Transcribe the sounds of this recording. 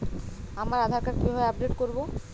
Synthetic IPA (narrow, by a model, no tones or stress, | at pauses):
amaɾad̪ʱaɾkaɾkibʱaeap̚ɖeʈkoɾbo